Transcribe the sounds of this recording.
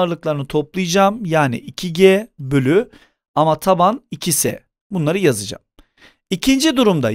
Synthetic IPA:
ɾlˠɯklˠaɾɯnɯt̪ʰo̞plˠɯjɯd͡ʒaːmjaːnḭʔicʰiɟɛbølʲy | amat̪ʰabanicʰisɛ̰ | bunlˠaɾɯjazɯd͡ʒa̰m | icʰind͡ʒid̪uɾumd̪a̰

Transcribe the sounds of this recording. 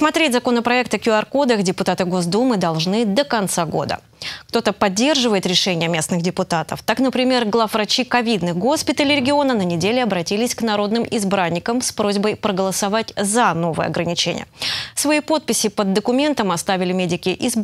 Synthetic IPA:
smɐt̪ɾʲetʲzɐko̞nəpɾɐɛkt̪əkʲʊɐrkod̪əxdʲɪpʊt̪at̪ɨɡo̞zd̪umɨd̪ɐlˠʐnɨd̪əkɐnt̪saɡo̞̰d̪ə̰ | kt̪o̞t̪əpɐdʲːe̞rʐɨvəjɪt̪ɾʲɪʂɛnʲɪjəmʲe̞snɨxdʲɪpʊt̪at̪əft̪aknəpɾʲɪmʲe̞rɡlˠafvɾɐt͡ɕikɐvʲid̪nɨxɡo̞spʲɪt̪əlʲɪɾʲɪɡʲɪo̞nənənʲɪdʲelʲɪɐbɾɐtʲilʲɪsʲknɐɾo̞d̪nɨmʔɪzbɾanʲːɪkəmspɾo̞zʲbəjpɾəɡəlˠəsɐvatʲzɐno̞vɨ̰jə̰ɐ̰ɡɾənʲɪt͡ɕḛnʲɪ̰jə̰svɐipo̞t̪̚pʲɪsʲɪpəd̪ːəkʊmʲe̞nt̪əmɐst̪avʲɪlʲɪmʲedʲɪkʲɪʔɪz

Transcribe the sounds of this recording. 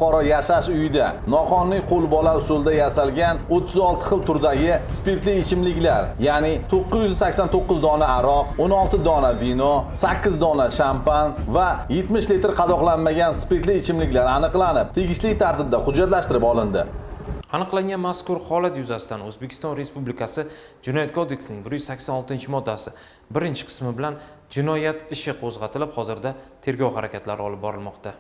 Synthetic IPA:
qɒɾajaʃaʃʊjɪd̪anɒqʰɒnːɪjqʰolˠbɒlawsolˠd̪ajasalɡʲanot̪ʰːɪzɒlˠt̪ʰɪ̥χɨlˠt̪ʰʊɾd̪aɡʲɪspeɾt̪lɪɪt͡ʃʰɪmlɪkʲlaɾjanɪt̪ʰoqːɨzjʏzsakʲsant̪ʰoqːʊzd̪ɒnaːɾɒqonɒlˠt̪ʰɪd̪ɒnavinɔsakʲːɪzd̪ɒnaʃampan | vaje̞t̪mɪʃlit̪ɾqʰɑzɒqlˠanmaɡʲanspe̞ɾt̪lɪɪt͡ʃʰɪmlɪkʲlaɾanɨqlˠanɪp̚t̪ʰeɡʲɪʃlɪkʲt̪ʰaɾt̪ɪb̚d̪aχʊd͡ʒːat̪laʃt̪ɪɾɪpɒlˠɪnd̪ɪanɨqlˠaŋʲanmaskʊɾχɒlat̪jʊzasɪ̥t̪anɵzbekʲʰɪ̥st̪ɒnɾe̞spublɪkʰasɪ | d͡ʒɪnɒjat̪̚kʰod̪e̞kʲsnɪŋbɪɾjʏz̥sakʲsanɒlˠt̪ɪnt͡ʃʰɪmɒd̪ːasɪ | bɪɾɪnt͡ʃʰɪ̥qʰɨ̥smɪbɪlan | d͡ʒɪnɒjat̪ɪʃɪqʰozʁɑt̪ʰɪlɪphɒzɪɾd̪at̪ʰe̞ɾɡʲɒwhaɾakʲʰat̪laɾɪɒlˠɪp̚bɒɾɪlmɒqt̪ʰa

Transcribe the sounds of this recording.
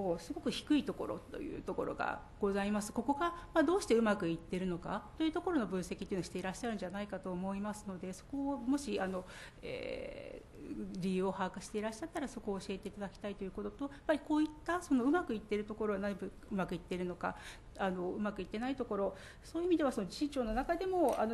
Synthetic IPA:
oːsɨɡo̞kɯ̟çi̥kɯ̟it̪o̞ko̞ɾo̰t̪ːo̞̰jɯ̰ːt̪o̞ko̞̰ɾo̞̰ɡa̰ | ɡ̥o̞zaimasɨ̥ko̞ko̞ɡamaːd̪o̞ːɕi̥t̪e̞ɯ̟makɯ̟it̪ːe̞ɾɯno̞kat̪ːo̞jɯ̟ːt̪o̞ko̞ɾo̞no̞bɯ̟̃ɰ̃sekʲi̥t̪ːiɯnoɕi̥t̪e̞iɾaɕːaɾɯ̟ɲ̟d͡ʑanaikat̪o̞ːmo̞imasɨno̞d̪e̞so̞̥ko̞mo̞ɕiano̞ | ḛː | ɾʲijɯ̟ːohakaɕi̥t̪e̞iɾaɕːat̪ːaɾaso̞ko̞ːɕie̞t̪e̞it̪ad̪akʲi̥t̪ait̪o̞jɯ̟ːko̞t̪o̞t̪o̞japːaɾʲiko̞ːit̪ːaso̞no̞ɯ̟makɯ̟it̪ːe̞ɾɯ̟t̪o̞ko̞ɾo̞ɡanabɯ | ɯ̟makɯ̟it̪ːe̞ɾɯ̟no̞ka̰ | ano̞ɯ̟makɯ̟it̪ːe̞nait̪o̞ko̞ɾo̞ | so̞ːjiɯimʲid̪e̞βaso̞nod͡ʑi̥it͡ɕo̞ːno̞nakad̪e̞mo̞ano

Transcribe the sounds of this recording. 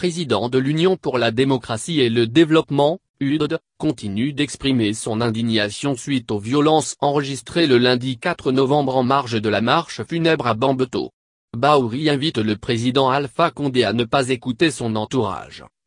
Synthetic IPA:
pχezid̪ɑ̰̃d̪əlynjɔ̃puʁlad̪emɔkχasieləd̪evlɔpmɑ̃ | yd̪ | kɔ̃t̪inyd̪ɛkspχimesɔ̃nɛ̃d̪iɲjasjɔ̃sɥit̪ovjɔlɑ̃sɑ̃ʁəʒist̪χeləlɛ̃d̪ikat̪χənɔvɑ̃bʁɑ̃maʁʃ̬əd̪əlamaʁʃfynɛbʁabɑ̃bt̪o̰ | bauʁiɛ̃vit̪ləpχezid̪ɑ̃alfakɔ̃d̪eanəpazekut̪esɔ̃nɑ̃t̪uʁa̰ʒ

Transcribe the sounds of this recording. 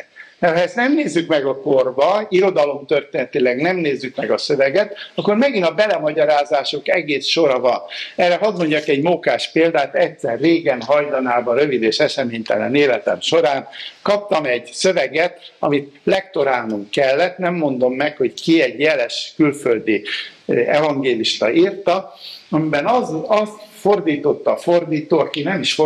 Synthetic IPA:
mɛrhɒɛst̪nɛmneːzːykmɛɡɒko̞rbɒiɾo̞d̪ɒlo̞mt̪ørt̪eːnɛt̪ilɛɡnɛmneːzːykmɛɡɒsø̞vɛɡɛt̪ɒkːormɛɡinɒbɛlɛmɒɟɒɾaːzaːʃo̞kɛɡeːsʃo̞ɾɒvɒnɛrɛɦɒd̪mo̞ɲɟakɛɟmokaːʃpeːld̪aːt̪ɛcsɛrːeːɡɛnɦɒjlɒnaːbɒɾø̞vid̪eːʃɛʃɛmeːɲt̪ɛ̰nɛ̰neːlɛt̪ɛ̰mʃo̞ɾaːnkɒp̚t̪ɒmɛɟsø̞vɛɡɛt̪ɒmit̪lɛk̚t̪o̞ɾaːlnuŋkkɛlːɛt̪nɛmːo̞n̪d̪o̞mːɛkho̞ckiɛɟjɛlɛʃkylfø̞ld̪i | ɛvɒŋɡeːliʃt̪ɒ̰ʔirt̪ɒɒmibɛnɒzɒst̪fo̞rd̪iːt̪o̞t̪ːɒfo̞rd̪iːt̪oːɒkinɛmiʃ

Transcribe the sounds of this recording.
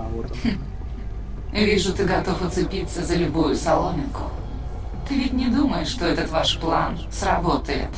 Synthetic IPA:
vʲiʐʊt̪ɨɡɐt̪o̞fət̪sɨpʲit̪sːəzəlʲʊbujʊsɐlˠomʲɪkʊ̰ | t̪ɨvʲɪtʲnʲɪd̪uməjɪʂːt̪oɛt̪ət̪vaʂplˠa̰n | srɐbot̪əjɪ̰t̪

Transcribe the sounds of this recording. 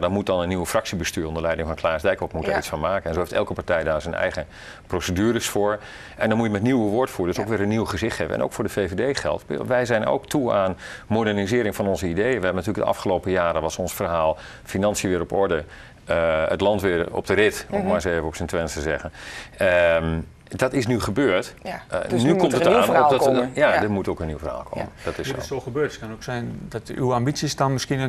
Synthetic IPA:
dɑmut̚dɑnənːiwəfrɑksibəstyːɹɔ̃ndəlɛjdɪŋvɑnklaːsdɛjkɔtmutaːitsfɑnmaːkənɛnzowheftɛ̰lˠkəpaɹtɛjdaːɹzənɛ̰jχə | prosədyːɾəsfʊːɹ | ʔɛndɑnmujəmɛtniwəʋʊːɹtfuːɹədøsowkʋɪːɾənːiwχəzɪχtχejvə̰ɛ̰no̰wkfʊːɹdəvejvedejχɛ̰lˠtʋɛjzɛjno̰wktuaːnmodɛɹnizɪːɾɪŋvɑnɔnzəidejənʋəɦɛbənatyːləɡ̚də̰ʔɑ̰fχəlowpəjaːɾəʋɑsɔnsfərɦaːlˠ | finɑnsjəʋɪːɾɔpɔɹdə | əə̰tlɑntʋɪərɔ̰p̚dərɪtomaseːvəɔpsəntʋɛnstəzɛɣənəm | dɔtɪsnyχəbøːɹt | nykɔmttəaːnojadəmutowkəniwfərɦa̰ːlˠkʰo̰ːməd̥ɔtɪssoxəbøːtətkɔnoksɛjndɔty̰wambit͡sisdɔnmɪskiən

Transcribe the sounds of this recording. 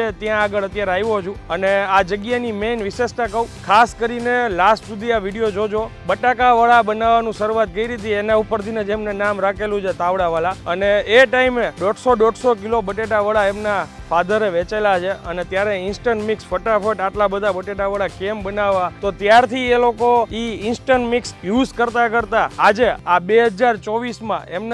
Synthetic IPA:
et̪jãːɡəɭət̪jaɾeaiʋod͡ʒʰũənead͡ʒəɡjanimenʋiʃesʈ̪akəũkʰaskəɾinelasʈsud̪ʱiaʋiɽijod͡ʒod͡ʒobəʈakaʋəɭabənaʋːanũʃəɾuat̪̚kəiɾit̪ienaupəɾt̪ʰined͡ʒemnenamɾakʰelũt͡ʃʰet̪aʋɽaʋəlaəneːʈaimeɖɔɖsoɖɔɖsokilobəʈeʈaʋəɭaemnafad̪ʱəɾeʋet͡ʃelat͡ʃʰeənet̪jaɾeɪnsʈəɳʈmiksfəʈafəʈaʈlabəd̪ʱabəʈeʈaʋəɭakembənaʋːat̪ot̪jaɾt̪ʰielokoiɪnsʈəɳʈmiksjuzkəɾt̪akəɾt̪aːd͡ʒeabeɦəd͡ʒaɾt͡ʃɔʋismã̰emn

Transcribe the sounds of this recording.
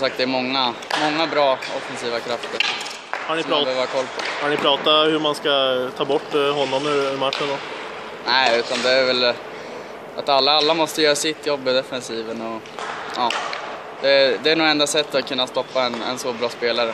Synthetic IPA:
sɔmsak̚t̪d̪ɛːɾmɔŋːamɔŋːabɾɑːɔfːɛnsiːvakʰɾaft̪əɾ | haɳɪpɾɑbøːvakʰɔlːpʰɔhaɳɪpʰɾɑːt̪ahɵɾmanskat̪ʰɑːbɔʈːɦɔnːɔmʉmaʈːʂənd̪ɔ | nɛɪʉ̟ːt̪and̪ɛæɾvɛl | ʔat̪alːaalːamɔst̪əjœːɾasɪt̪ʰːjɔbːɪd̪ɛfɛnsiːvənɔ | ʔɑː | d̪̥ɛd̪ɛæɳuːɡɛnd̪asɛt̪ːat̪kʰɵnːast̪ɔpːaɛnɛ̰nsobɾɑːspeːlaɾə

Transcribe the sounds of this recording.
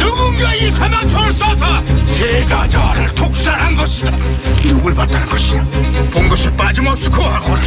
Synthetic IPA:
nuɡɯŋɡaisʰamat͡ɕʰʌɭsʌsʰʌsʰed͡ʑad͡ʑaɾɯɭtʰok̚s͈aɾanɡʌɕʰidanuɡɯɭpat̚t̪͈anɯnɡʌɕʰidapoŋɡɯsʰepad͡ʑɯmʌs͈ukʰoɦaɡoɾa

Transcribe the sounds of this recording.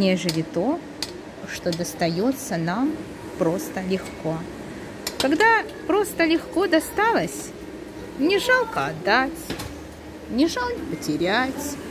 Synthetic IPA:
nʲeʐɨlʲɪt̪o̞ | ʂt̪od̪əst̪ɐjo̞t̪sənam | pɾo̞st̪əlʲɪxko̞ | kɐɡd̪a | pɾo̞st̪əlʲɪxko̞d̪ɐst̪alˠəsʲ | nʲɪʐalˠkəɐd̪ːatʲ | nʲɪʐalˠkəpətʲɪɾʲætʲ

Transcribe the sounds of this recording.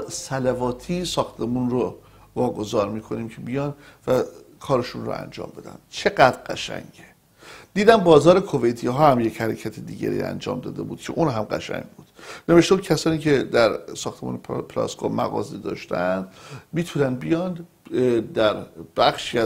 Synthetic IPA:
sælævɒːt̪ʰiːsɒːxt̪ʰe̞munro | vɒːɡo̞zɒːɾmiːkʰo̞niːmcʰebijɒːnvækʰɒːɾeʃunro̰æ̰nd͡ʒɒ̰ːmbe̞d̪æ̰nd̪̥t͡ʃʰe̞ɡæd̪ɡæʃæ̰ɲɟe | d̪̥iːd̪æmbɒːzɒːɾekʰovejt̪ʰiːɦɒːhæmje̞chæɾecʰæt̪ʰed̪iːɟæ̰ɾḭːæ̰nd͡ʒɒ̰ːmd̪ɒ̰ːd̪ebuːd̪̥cʰe̞ʔuːnɦæmɢæ̰ʃæ̰ɲɟbuːd̪̥neveʃt̪uːcʰæsɒːniːcʰe̞d̪æɾsɒːxt̪e̞mṵːnepʰlɒ̰ːskʰomæ̰ɣɒ̰ːzed̪ɒ̰ːʃt̪ænd̪miːt̪ʰunænd̪̚bijɒnd̪ | d̪æɾb̥æxʃiæ

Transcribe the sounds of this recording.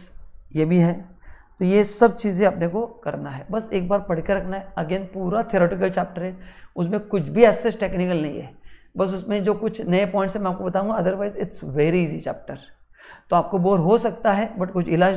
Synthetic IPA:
jebʱiɦɛːt̪ojesɐb̚t͡ʃiːzẽɐpnekokɐɾnaɦɛbɐseːk̚baːɾpɐɽ̤keɾɐkʰnaɦɛɐɡeːnpuːɾat̪ʰiɾoːʈɪk̬əlt͡ʃɛːp̚ʈəɾɦɛːʊsmẽkʊt͡ʃʰbʱiɛːsesʈeːknɪk̬əlnɐɦĩɦɛː | bɐs̬ʊsmẽd͡ʒoːkʊt͡ʃʰnɐepɔːɪ̃ɳʈsemɛ̃aːp̚kobɐt̪aɦũɡaɐd̪əɾʋaːɪzɪʈsʋeːɾiiːzit͡ʃɛːp̚ʈəɾt̪oaːp̚kobɔːɾɦosɐk̚t̪aɦɛbɐʈkʊt͡ʃʰɪlaːd͡ʒ

